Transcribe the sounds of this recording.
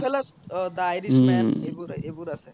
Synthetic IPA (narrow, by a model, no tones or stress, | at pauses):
pʰɛlasd̪ajɾisebuɾebuɾase